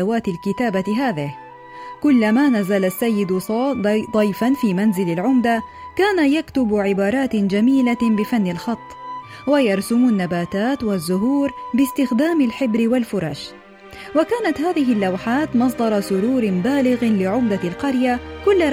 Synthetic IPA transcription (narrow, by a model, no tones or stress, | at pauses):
awaːt̪ɪlkɪt̪aːbaɦaːðɪh | kʊlːamaːnazalasːajːɪd̪ | d̪ˤɑjfanfiːmanzɪlalʕʊmd̪akaːnajakt̪ʊbʕɪbɑːɾˤɑːt̪d͡ʒamiːlabɪfanːɪlxɑt̪ˤː | wajɑɾˤsʊmanːabaːt̪aːt̪wazːʊɦuːɾbɪst̪ɪxd̪aːmalħɪbɾɪwalfʊɾˤɑ̰ːʃ | wakaːnat̪haːðɪɦɪlːawħaːt̪mɑs̬ˤd̪ˤɑɾˤɑsʊɾuːɾɪbaːlɪɣlɪʕʊmd̪alqɑɾjakʊlːa